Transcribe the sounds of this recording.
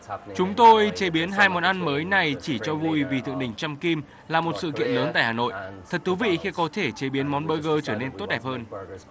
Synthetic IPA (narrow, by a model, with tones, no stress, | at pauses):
t͡ɕʊ˨˦ŋ͡mt̪o˧jt͡ɕe˨˦ɓi˨˦ənɦaː˧jmɔ˨˦nʔa˧nməː˨˦jna˨˩jt͡ɕi˧˩t͡ɕɔ˧vu˧jvi˨˩t̪ɨ̰˧˨əŋɗï˨˩ŋ̟t͡ɕa˧mki˧m | laː˨˩mo˨˩t̚sɨ̰˧˨kḭ˧˨ənləː˨˦nt̪a̰ː˧˨jhaː˨˩no̰˧˨jt̪ʰə˨˩t̚t̪ʰu˨˦vḭ˧˨xi˧kɔ˨˦t̪ʰe˧˩t͡ɕe˨˦ɓi˨˦ənmɔ˨˦nɓəː˧ɣəː˧t͡ɕəː˧˩ne˧nt̪o˦˥t̚ɗɛ˨˩p̚həː˧n